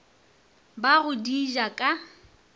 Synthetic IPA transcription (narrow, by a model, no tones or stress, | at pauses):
baɣʊdiʒakʼa